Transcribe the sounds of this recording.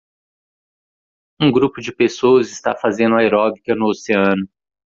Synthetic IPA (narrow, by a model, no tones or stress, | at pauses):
ũɡɾupʊd͡ʒɪpesowɐzɪst̪a̰fazẽnd̪ʊɐeɾɔbikɐnʊoseɐ̃nʊ